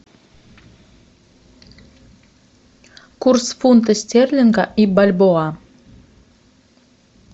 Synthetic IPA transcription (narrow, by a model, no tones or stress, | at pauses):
kursfunt̪əsʲt̪ʲerʲlʲɘ̆ŋɡɑʔibalʲboɑ